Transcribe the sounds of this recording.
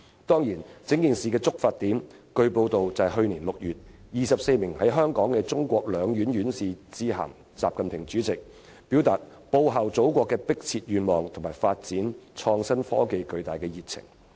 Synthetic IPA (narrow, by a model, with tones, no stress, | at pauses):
t̪ɔː˥ŋjiː˨˩nt͡sɪ˨˥ŋkiː˨nsiː˨kɛː˧t͡sʊ˥k̚faː˧t̪iː˨˥mkɵ˧ɥpo˧wt̪o˨wt͡sɐ˨ɦɵ˧ɥniː˨˩nlʊ˨k̚jyː˨t̚jiː˨sɐ˨p̚se˧jmɪ˨˩ŋhɐ˨˥jɦœː˥ŋkɔː˨˥ŋkɛː˧t͡sʊ˥ŋkʷɔː˧k̚lœː˨˧ŋjyː˨˥njyː˨˥nsiː˨t͡siː˧ɦa̰ː˨˩m | t͡sa̰ː˨p̚kɐ˨npʰɪ˨˩ŋt͡syː˨˥t͡sɪ˨k̚ | pi˨˥wt̪aː˨t̚po˧wɦɐ˨wt͡so˨˥wkʷɔː˧kːɛː˧pɪ˥k̚t͡sʰiː˧t̚jyː˨nmɔː˨˩ŋt̪ʰʊ˨˩maː˨˩jfaː˧t̚t͡siː˨˥nt͡ʃʰɔː˧ŋsɐ˥nfɔ̰ː˥ke˧jkɵ˧ɥt̪aː˨jkɛː˧jiː˨˩k̚t͡sʰɪ̰˨˩ŋ